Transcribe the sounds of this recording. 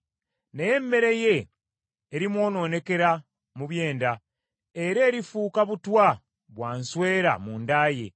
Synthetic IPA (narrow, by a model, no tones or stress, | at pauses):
neje̞mːe̞ɾe̞je̞ː | ɾimwo̞ːno̞ːne̞ke̞ɾa | muβje̞ːnda | e̞ɾe̞ːɾifuːkaβutwa | βwaːnswe̞ːɾa̰mundaːje̞